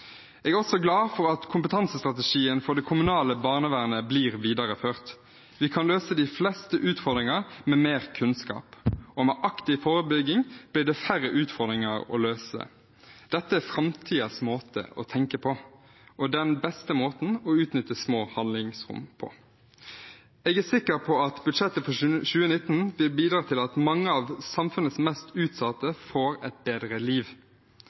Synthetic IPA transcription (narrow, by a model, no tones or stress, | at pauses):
ɛɡæʁɔsɔɡlɑːfɔɾɑt̪kʰʊmpət̪ʰɑnsəst̪ʁɑt̪əʃiːənfɔd̪ɛkʰʊmʉnɑːləbɑːʁnəʋæʁnəbliːʁʋiːd̪ɑɾəføːʁt̪ | ʋɪkʰɑnløːsəd̪ɪflɛst̪əʔʉːt̪fɔʁd̪ʁɪŋəmɛːmeːʁkʰʉnskɑ̰ːpɔmɛʔɑkt̪ɪfoːʁəbʏɡɪŋb̥lɪːɖ̪ɛfæɾəʔʉːt̪fɔʁd̪ɾɪŋɑɔ̰løːsə̰ | d̪̥ɛt̪ːəæfɾɑmt̪ʰiːəsmoːt̪ʰə̰ɔ̰t̪ʰɛŋkəpʰɔ | ɔd̪ɛnbɛst̪əmoːt̪n̩ɔʉːt̪nʏt̪ːəsmoːhɑnlɪŋsʁʊ̰mpʰɔ̰ | ɛɡæsɪkːəpʰɔɑt̪bʉd̪ʂɛt̪ːəfɔɕʉːənɪt̪ːnʋɪlbiːd̪ɾɑːt̪ʰɪlɑt̪mɑŋːəɑʋsɑmfʉnəsmɛst̪ʉːt̪sɑt̪ːəfoːɾɛt̪̚beːd̪ɾəliːʋ